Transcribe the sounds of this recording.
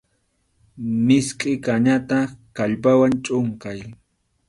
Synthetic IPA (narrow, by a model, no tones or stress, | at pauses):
mɪskʼɪkaɲat̪akaʎpawant͡ʃʼʊŋkaj